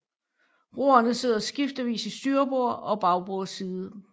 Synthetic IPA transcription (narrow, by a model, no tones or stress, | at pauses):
ʁo̝ːɐnəse̝ð̞̰ˠɐsɡ̥ifd̥əʋḭːsisd̥yːɐb̥o̝̰ɐ̰ɒ̽b̥ɑ̈ʊb̥oːsiːðˠə